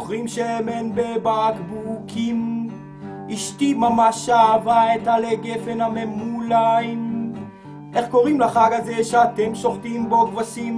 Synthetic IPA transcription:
χʁimʃeemenbebakbukʰim | iʃt̪imamaʃaːvaet̪aleɡefenamemulajm | ʔeχkoʁimlaχaɡazeʃeat̪emʃoχt̪imbokvasim

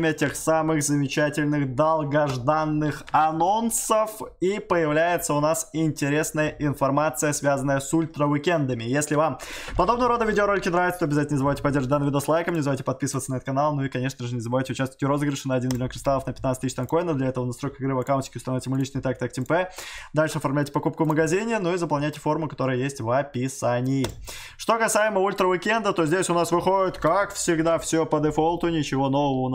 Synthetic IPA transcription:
mʲɪətʲe̞xsamɨɣzəmʲɪt͡ɕætʲɪlʲnɨxd̪ɐlˠɡɐʐd̪anːɨxɐno̞nsəfipəjɪvlʲæjɪt̪səʊnasɪnʲtʲɪɾʲe̞snəjəʔɪnfɐrmat̪sɨjəsvʲazənːəjəsulʲt̪ɾəvɪkʲɛnd̪əmʲɪjesʲlʲɪvampɐd̪o̞b̚nəvəɾo̞d̪əvʲidʲɪoɾo̞lʲɪkʲɪnɾavɪt̪sət̪oɔɐbʲɪzatʲɪnənɪzbɐvajtʲɪpɐdʲerʐət̚d̪anmʲvʲɪd̪oslˠajkəmnʲɪzɐvajʲɪtʲɪpɐt̪̚pʲisəvət̪sənɐɛt̪t̪kɐnalˠnuɪkɐnʲe̞ʂnəʐɨnʲɪzɐbɐvajtʲɪʊt͡ɕast̪vətʲʊɾo̞zɨɡɾʲɪʂɨnəɐdʲinmʲɪlʲo̞kɾɪst̪alˠəfnəpʲɪt̪nat̪st̪ʲɨɕʃt̪ɐnko̞ɪnəvd̪lʲɐɛt̪əvənɐst̪ɾojkəxɪɡɾɨvɐkawntʲɪ̥kʲɪʊst̪ɐnovɪtʲɪmʊlʲit͡ɕnɨɪjt̪ak̚t̪ak̚tʲɪmpɛd̪alʲʂɨɐfɐrmlʲæjʲtʲɪ̥pɐkup̚kʊvməɡɐzʲinʲɪnuizəpɐlˠnʲæjtʲɪfo̞rmʊkɐt̪o̞ɾɨjəjesʲtʲvɐpʲɪsanʲɪjɪ | ʂt̪o̞kɐsajɪməulʲt̪ɾəvɪkʲɛnd̪ət̪o̞zʲdʲesʲʊnasvɨxo̞ɪt̪kakfsʲɪɡd̪afsʲopəd̪ɨfolˠt̪ʊnʲɪt͡ɕɪvo̞no̞vəvə

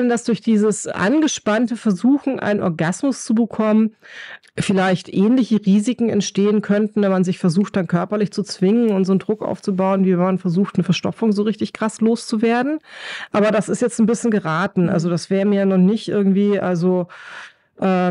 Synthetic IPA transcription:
nəndasd̥ʊɐçd̥iːzəsʔa̰nɡəʃpantəfɛɐzuːxn̩ʔa̰ɪnənɔ̰ɐɡasmʊst͡subəkʰɔmən | fɪlaɪçtʔɛːnlɪçəʁiːzɪkŋ̩ɛ̰ntʃteːənkʰœntn̩vɛnmanzɪçfɛɐzuːxt̚d̥ankʰœɐpɐlɪçt͡sut͡sv̥ɪŋənʊntz̥oːndʁʊkʔa̰ʊft͡subaʊənviːmanfɛɐzuːxtnəfɛɐʃtɔ̰pp͡fʊŋzoːʁɪçtɪçɡ̥ʁ̥asloːst͡suveːɐdn̩ʔaːbɐɾasɪstjɛt͡stn̩bɪsçənɡəʁaːtn̩ʔa̰lzodasv̥ɛːʁəmiːɐjanɔχnɪçtʔɪ̰ɐɡŋ̩tv̥iːʔalzo | ʔɛː

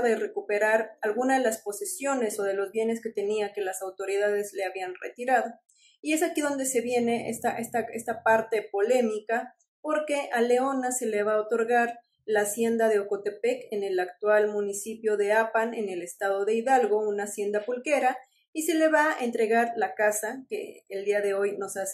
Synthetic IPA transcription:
ðere̞kupe̞ɾaɾalɣunaðelaspo̞sesjo̞ne̞so̞ð̞e̞lo̞zβje̞ne̞ske̞t̪e̞niake̞lasawt̪o̞ɾið̞að̞e̞zle̞aβianrḛt̪iɾaðo̞ | ie̞sakiðo̞nd̪e̞se̞βje̞ne̞ʔest̪aʔest̪aest̪apaɾt̪e̞po̞le̞mika | po̞ɾke̞ʔale̞o̞nase̞leβ̞aot̪o̞ɾɣaɾ | laːsje̞nd̪aðe̞oko̞t̪e̞pe̞kene̞lakt̪walmũnisipjo̞ðe̞apane̞̰ne̞le̞st̪að̞o̞ðe̞iðalɣo̞unasje̞nd̪apulke̞ɾa | ise̞le̞βaʔe̞nt̪ɾe̞ɣaɾlakasakḛːld̪iaðe̞o̞jno̞sas

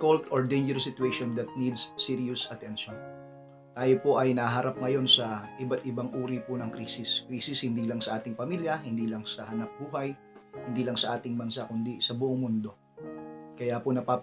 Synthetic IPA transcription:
kolt̪oɹd̪ejnd͡ʒɛɾsːɪt̪uejʃond̪ɐt̪̚nid̪sːiɾʊsɐt̪ɛnʃon | t̪aːjo̞po̞ʔɐjnɐhɦɐɾʔap̚ŋɐjo̞nsɐʔɪbat̪ʔɪbaŋʔuːɾipʊnɐŋkɾiːsɪskɾiːsɪshɪnd̪iːlɐŋsɐʔaːt̪ɪŋpɐmiːljɐɦɪnd̪iːlɐŋsɐhɐnɐp̚buːɦɐj | hɪnd̪iːlɐŋsɐʔaːt̪ɪŋbɐnsakʊnd̪isɐbʊʔoŋmʊnd̪o̞ | kɐjaːpʊnɐpaː

